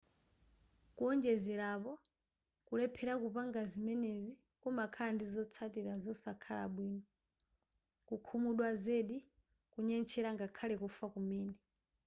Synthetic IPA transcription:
kuɔnd͡ʒɛzɛɾapɔ | kulɛpʰɛɾakupaŋɡazimɛnezi | kɔmakʰaandizɔt͡sʰatiɾazɔsakʰala̰ɓwiːnɔ | kukʰumuɗwazeːɗi | kuɲɛnt͡ʃʰɛɾaŋɡakʰalɛkufakumɛːnɛ

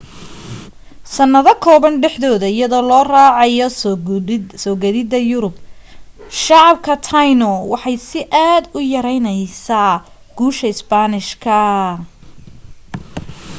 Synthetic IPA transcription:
sɐnːɐðɐkʰɔːβɐnɖɛħðɔːðɐɪjɐðɔːlɔːraːʕɑjɔ | sɔːɡɐðɪd̪ɐjʊɾʊb | ʃɑʕɑb̚kʰɐt̪ʰajnɔwɑħɑjsɪʔaːd̪ʊjɐɾɛjnɛjsaː | ɡ̥uːʃɐɪsbaːnɪʃkʰɐ

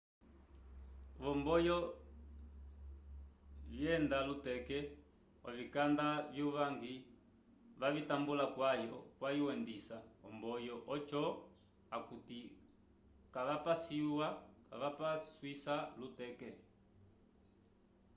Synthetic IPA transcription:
βɔmbɔjɔ | vjɛndalutɛkɛ | ɔ̰vikandavjuβaŋɡi | βaβitambulakwajɔkwajuwɛndisaɔ̰mbɔjɔʔɔt͡ʃɔ | akuti | kaβapasiwakaβapaswisalutɛkɛ

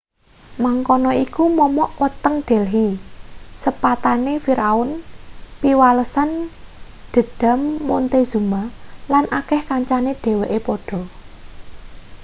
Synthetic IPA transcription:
maŋkɔnɔikumɔmɔʔwət̪əŋd̪̥ɛ̤lɦi | səpat̪anefiɾaʊnpiwaləsan | d̪̥ə̤d̥a̤mːont̪ez̥umalanʔakɛhkaɲt͡ʃaneɖ̪̥e̤weʔepɔɖ̥ɔ̤

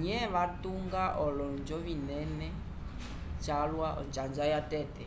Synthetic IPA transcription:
ɲɛβatuŋɡaʔɔlɔnd͡ʒɔβinɛnɛ | t͡ʃalwaɔ̰nt͡ʃand͡ʒajatɛtɛ

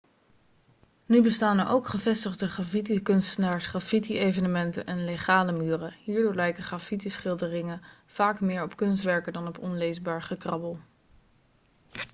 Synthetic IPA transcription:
nybəstaːnəʔowkχəvɛstəχdəχrafitikɵnstənaːɹsχraːfitiejvənəmɛntə̰nʔɛnleχaːləmyːrəɦiːɹdʊːɹlɛjkəχrafitisχɪlˠdərɪŋən | v̥aːkmɪːɹɔpkɵnstʋɛɹkəndɑnɔpɔnlejzbaːɹχəkrɑbəlˠ

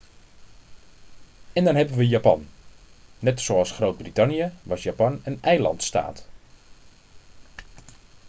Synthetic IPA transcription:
ɛndɔnɦɛbənʋəjapɑ̰nː | ɛtsoɑlˠsχrowt̚britɑnjəʋɑsjapɑnənɛjlɑ̰ntsta̰ːt

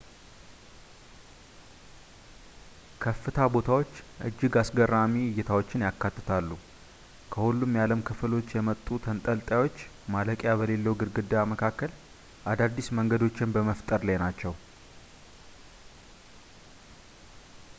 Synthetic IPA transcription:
kʰəfːɨt̪ʰabo̞t̪ʰawo̞t͡ʃːʔɨ̰d͡ʒːɪɡasɡəɾamiwɪjːɛt̪ʰawo̞t͡ʃːɪnjakːat̪ːɨ̥t̪ʰalːu | kʰəhulːumjaləmkʰɨflo̞t͡ʃːjɛmət̪ʼːut̪ʰənt̪ʼəlt̪ʼjawo̞t͡ʃː | maləkʼjaβəle̞lːəwɡɨɾɡɨd̪ːjaməkʰakːəl | ʔad̪ad̪ːisməŋɡəd̪o̞t͡ʃːɪnbəməft̪ʼəɾlajnat͡ʃːɛw

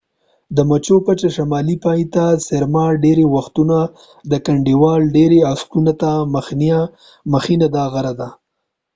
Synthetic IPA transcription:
d̪əmat͡ʃopat͡ʃaʃamɑlipɑit̪aseɾmɑɖeɾewaxt̪una | d̪əkaɳɖiwɑlɖeɾeaskunat̪aməxna | məxinad̪aɣaɾad̪a

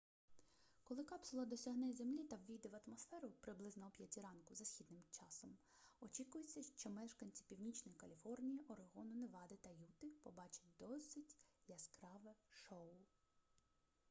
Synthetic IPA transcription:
kɔlˠɪkɑpsʊlˠɐd̪ɔsʲɐɦnɛzʲemlʲit̪ɐwʋʲijd̪ɪʋɐt̪mɔsfɛɾʊpɾɪblˠɪznɔwpʲjɐtʲiɾɑnkʊzɐsʲxʲid̪nɪmt͡ʃɑsɔm | ɔt͡ʃʲikʊjet͡sʲːɐʃt͡ʃɔmɛʃkɐnʲt͡sʲi̥pʲiwnʲit͡ʃnɔjikɐlʲifɔrnʲijiʔɔɾeɦɔnʊneʋɑd̪ɪt̪ɐjut̪ɪpɔbɑt͡ʃɪ̥t̚ʲd̪ɔsɪtʲjɐskɾɑʋɛʃɔw

